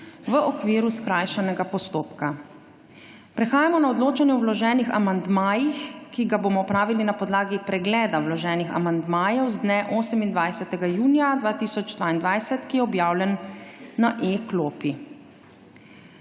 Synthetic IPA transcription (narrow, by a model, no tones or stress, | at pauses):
ʋəʔɔkʋiːɾuskɾaːjʃanɛɡapɔst̪oːpka | pɾɛxaːjamɔnaɔd̪loːt͡ʃanjɛɔwlɔʒɛːnixa̰mand̪maːjixkiɡabomɔɔpɾaːʋilinapɔd̪laːɡipɾɛɡlɛːd̪awlɔʒɛːnixa̰mand̪maːjɛwzd̪nɛʔoːsɛmind̪ʋajsɛt̪ɛɡajuːnjad̪ʋaːt̪iːsɔd͡ʒd̪ʋaːind̪ʋajsɛt̪kijɛɔbjaːwlɛnːaʔekloːpi